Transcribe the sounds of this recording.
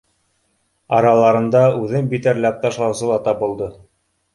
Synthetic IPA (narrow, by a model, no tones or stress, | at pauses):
ɑɾɑlˠɑɾɤ̆nd̪ɑʉðɘnbit̪æɾlæp̚t̪ɑʃlˠɑwsɤlˠɑt̪ɑbɤ̆lˠd̪ɤ